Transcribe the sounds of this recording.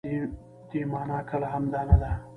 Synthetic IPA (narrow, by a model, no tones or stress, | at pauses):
d̪̥emɑːnɑkʰəlaɦamd̪ɑnad̪a